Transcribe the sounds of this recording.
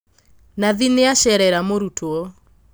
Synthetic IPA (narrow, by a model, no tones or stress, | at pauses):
naðineaʃɛɾɛɾamoɾutʰoɔ